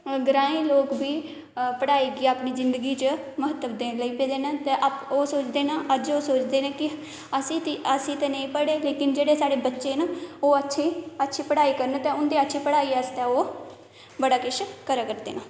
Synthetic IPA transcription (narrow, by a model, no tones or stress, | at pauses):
ɡɾãːĩːloːkbiː | pəɽaːiːɡiːaːpniːzɪnd̪əɡiːt͡ʃəməɦət̪ːəʋd̪eːləiːpeːd̪eːnaːt̪eʔapoːsoːt͡ʃd̪eːnãːʔəd͡ʒoːsoːt͡ʃd̪eːnãːkɪ | əsĩːt̪iəsĩːt̪eːnəĩːpəɽeːleːkɪnd͡ʒeːɽeːsaːɽeːbətːʃeːnaːoːətːʃʰeːətːʃʰiːpəɽaːiːkəɾnːt̪ɛ̃ːʊnd̪iːətːʃʰiːpəɽaːiːəst̪eːoː | bəɽaːkɪʃkəɾaːkəɾd̪ḛːnãː